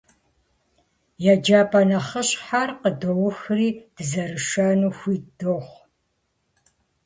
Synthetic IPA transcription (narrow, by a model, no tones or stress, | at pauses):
jad͡ʒaːpʰʼɐnɐχəɕħarqədowʊxriːd̥ɨzɐɾɨʃɐnuːxʷiːdoːχʷ